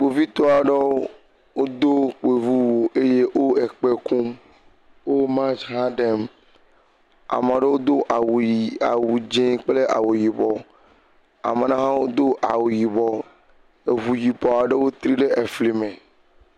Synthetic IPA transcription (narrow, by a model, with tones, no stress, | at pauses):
k͡po˨vi˦t̪ɔ˦a˨ɖe˦ | wo˦d̪o˦k͡pe˨vu˦wo˨e˦je˦wʔo˦ɛ˨k͡pe˦kũ˦m | wo˦mã˦t͡ʃɦã˦ɖɛ˦m | a̰˨m˨ã˨ɖe˦wo˦d̪o˦ʔa˨wa̰˨wu˨d͡ʒẽ˦k͡ple˦ʔa̰˨wo˨ji˨bɔ˨ | a̰˨me˨nã˦ɦã˦wo˦d̪o˦ʔa̰˨wo˨ji˨bɔ˨ | e˨vu˨ji˨bɔ˨a˨ɖe˦wo˦t̪ɾi˦ɖe˦e˨fli˨mẽ˨